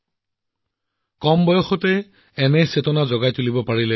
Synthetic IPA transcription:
kɔmbɔjɔxɔtɛː | nɛsetɔnazɔɡajtulibɔpaɹilɛ

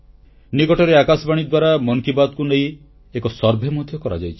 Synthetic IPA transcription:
nikɔʈɔɾeakasɔbaɽ̃id̪waɾamɔŋkibad̪̚kuneĩ | ekɔsɔɾbʱemɔd̪ʱjɔkɔɾa̰d͡ʒajt͡ʃʰi̥

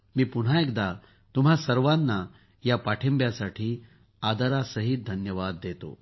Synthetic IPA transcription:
miːpuɽ̤aek̚d̪a | t̪umɦasəɾʋanːa | japaʈʰembjasaʈʰiː | ad̪əɾasəɦit̪̚d̪ʱənjəʋad̪ːet̪o̰

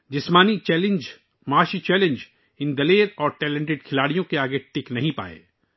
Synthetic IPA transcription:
d͡ʒɪsmaːnit͡ʃɛːlɪ̃nd͡ʒ | maːʃit͡ʃɛːlẽnd͡ʒ | ɪ̃nd̪ɐleːɾɔːɾʈɛːlẽɳʈ̬ɪɖ̚kʰɪlaːɽijõkeaːɡeʈɪknɐɦĩpa̰ːḛː

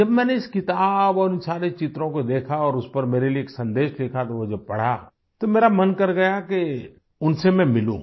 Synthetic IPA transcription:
d͡ʒɐbmɛ̃ːneɪskɪt̪aːbɔːɾɪnsaːɾet͡ʃɪt̪ɾõkod̪eːkʰaɔːɾʊspɐɾmeːɾelieːksɐ̃nd̪eːʃd̪eːkʰat̪oʋod͡ʒɐb̚pɐɽ̤a̰ | t̪omeːɾamɐnkɐɾɡɐjake | ʊnsemɛ̃mɪlṵ̃ː

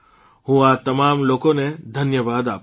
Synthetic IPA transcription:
ɦuat̪ɐmaːmloːkõned̪ʱɐnjəʋaːd̪aːp

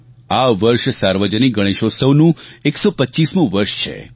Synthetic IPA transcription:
aʋəɾʃsaɾʋəd͡ʒəniɡəɽ̃eʃosəʋnũeksopətːt͡ʃismũʋəɾʃt͡ʃʰḛ

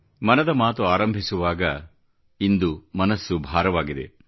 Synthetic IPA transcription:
mɐnɐd̪ɐmaːt̪uaːɾɐmbʱisuʋaːɡɐ | ind̪umɐnɐsːubʱaːɾɐʋaːɡid̪e̞̰

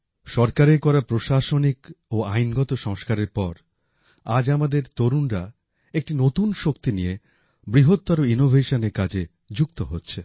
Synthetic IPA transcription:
ʃɔɾkaɾekɔɾapɾoʃaʃonikoajnɡɔt̪oʃɔŋʃkaɾeɾpɔɾ | ad͡ʑamad̪eɾt̪oɾunɾa | ek̚ʈinot̪unʃokt̪inije | bɾiɦot̪ːaɾoinobʱeʃoneɾkad͡ʑe | d͡ʑukt̪oɦotːɕʰe

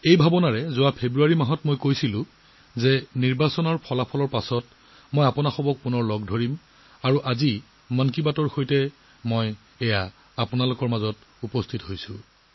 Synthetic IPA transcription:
ejbʱabɔnaɹɛzʊwapʰebɹuaɹimaɦɔtmojkojsilʊ̃ | zɛniɹbasɔnɔɹpʰɔlapʰɔlɔɹpasɔt | mojapɔnaxɔbɔk̚punɔɹlɔɡdʱoɹim | aɹuʔazi | mankibatɔɹxojtɛ | moj | ɛja | apʊnalʊkɔɹmazɔt | upɔstʰitɦojsʊ̃

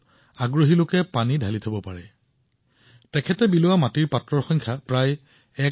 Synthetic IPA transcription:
aɡɹoɦilʊkɛpanidʱalitʰabɔpaɹɛ | tɛkʰɛtɛbilʊwamatiɹpatɹɔɹxɔŋkʰapɹaj | ɛ

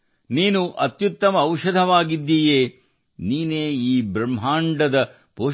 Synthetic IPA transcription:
niːnuʔɐt̪jut̪ːɐmɐːwʃɐd̪ʱɐʋaːɡid̪ːiːjeː | niːneːiːbɾɐmːɦaːɳɖɐd̪ɐ | poː

